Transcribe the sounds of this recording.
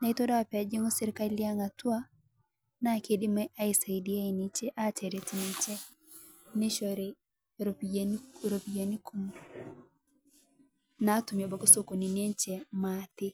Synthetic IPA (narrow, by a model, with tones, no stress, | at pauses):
na˨i˦to˦da˦wa˨pa˨d͡ʒe˦ŋo˦se˦ɾɪ˦ka˦li˦a˦ŋa˨twa˦ | na˦˨ke˨di˦mɛ˦ʔa˦e˨sa˨i˨di˦a˦i˨ni˨t͡ʃe˦ʔa˦t͡ʃɛ˨ɾe˨ti˨ne˨t͡ʃɛ˦ | nɪ˦ʃɔ˨ɾe˨ | ɾo˨pnɾo˨pi˨ja˨ni˦kʰu˦m | na˨˦tu˨mjo˨ba˨ko˦so˦ko˨ni˨ne˦nt͡ʃɛ˨matɪ˦